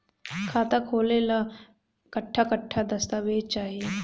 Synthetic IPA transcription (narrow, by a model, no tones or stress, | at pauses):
kʰaːt̪akʰoːlela | kɐʈʰːakəʈʰːad̪ɐst̪aʋeːt͡ʃt͡ʃaːɦie